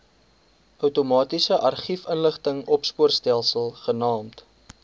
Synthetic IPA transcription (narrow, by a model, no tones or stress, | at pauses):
œwtomɑːtisəʔɐrχifənləχtəŋɔpspuərstælˠsəlˠχənɑːmt